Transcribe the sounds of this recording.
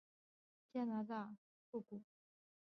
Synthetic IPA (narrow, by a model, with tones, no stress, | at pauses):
t͡ɕja˥na˧˦d̪a˥˨ | fu˥˨ku˨˩